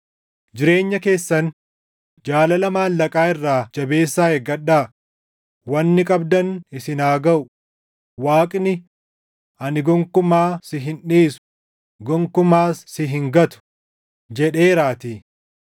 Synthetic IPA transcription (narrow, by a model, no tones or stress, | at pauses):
d͡ʒɪɾe̞ːɲːɐke̞ːsːɐn | d͡ʒaːlɐlɐmaːnlɐkʼaːɪrːaːd͡ʒɐbe̞ːsːaːɛɡɐɗːaː | wɐnːɪkʼɐbd̪ɐnɪsɪnaːɡɐʔʊ | waːkʼnɪ | ʔɐnɪɡɔŋkʊmaːsɪɦɪnᶑiːsʊ̥ | ɡɔŋkʊmaːsːɪɦɪŋɡɐt̪ʊ̥ | d͡ʒɛᶑe̞ːɾaːt̪iː